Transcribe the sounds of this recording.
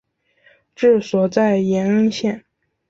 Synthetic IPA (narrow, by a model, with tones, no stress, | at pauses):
ʈ͡ʂɻ̩˥˩swɔ˨˩t͡sa˥˩ɪjɛ˧˥nə˥ŋɕjɛ˥˩n